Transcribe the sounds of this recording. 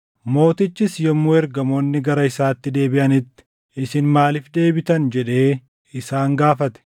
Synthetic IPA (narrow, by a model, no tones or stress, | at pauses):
mo̞ːt̪ɪt͡ʃːɪsjɔmːuɛɾɡɐmo̞ːnːɪɡɐɾɐɪsaːt̪ːɪd̪e̞ːbɪʔɐnɪt̪ːɪ̥ | ɪsɪnmaːlɪfd̪e̞ːbɪt̪ɐnd͡ʒɛᶑe̞ː | ɪsaːŋɡaːfɐt̪ɛ̥